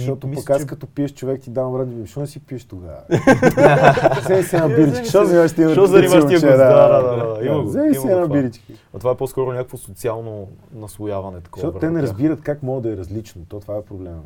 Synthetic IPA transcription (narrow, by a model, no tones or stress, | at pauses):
ʃt̪ɔt̪opɐkaskɐt̪ɔpiəʃt͡ʃovɛkt̪id̪avɐmɾad͡ʒibiʃt̪ɔnsipiəʃt̪oɡa̰ | zɛmisɛnabiɾit͡ʃkiʃt̪ɔznʲavʃt̪imɐɔiʃit͡ʃɛd̪aad̪ad̪d̪aiɡzɛmiiɛnabiɾit͡ʃkəɐt̪ovaɛpɔskɔɾonʲakəkvosot̪sialˠno | nɐsvojavɐnɛt̪ɐkɔtɔt̪t̪ɛnɛɾɐzbiɾət̪kakmɔɡəd̪ɐɛɾɐzlit͡ʃnot̪ɔt̪ovaɛpɾoblɛmə̰